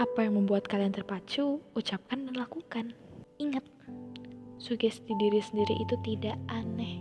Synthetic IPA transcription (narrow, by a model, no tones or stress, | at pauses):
ʔapajaŋməmbuat̪̚kaliant̪ərpat͡ʃuːt͡ʃap̚kanməŋlakukaniŋət̪̚ | suɡɛst̪idiɾisəndiɾiʔːt̪ut̪idaʔanɛh